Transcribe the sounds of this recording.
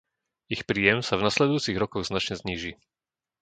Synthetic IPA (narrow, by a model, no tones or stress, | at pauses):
ixpɾiːjɛmsavnaslɛd̪ujuːt͡siɣɾɔkɔɣznat͡ʃɲɛzɲiːʒi